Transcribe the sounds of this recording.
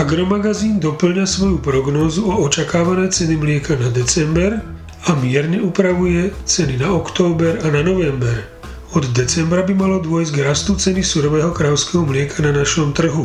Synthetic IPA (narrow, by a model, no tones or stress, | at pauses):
aɡɾɔmaɡaziːnd̪ɔpl̩ɲasʋɔjupɾɔɡnɔːzuɔɔt͡ʃakaːʋanɛjt͡sɛnimlɪɛkanad̪ɛt͡sɛmbɛɾ | amɪɛɾɲɛupɾaʋujɛt͡sɛninaɔkt̪ɔːbɛɾananɔʋɛmbɛɾ | ɔd̪d̪ɛt͡sɛmbɾabimalɔd̪ʊɔjzɟɡɾast̪ut͡sɛnisuɾɔʋɛːɦɔkɾaʊskɛɦɔmlɪɛkʰananaʃɔmt̪r̩ɦu